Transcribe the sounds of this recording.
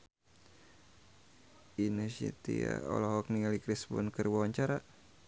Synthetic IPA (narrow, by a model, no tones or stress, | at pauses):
inɛsḭt̪ia̰ɔ̰lɔɦɔk̚niŋalikɾisbɔnkərwawaɲt͡ʃaɾa